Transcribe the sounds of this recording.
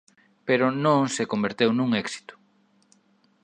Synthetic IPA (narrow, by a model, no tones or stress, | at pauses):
peɾʊnõŋsekombeɾt̪ewnuŋɛksi̥t̪ʊ̥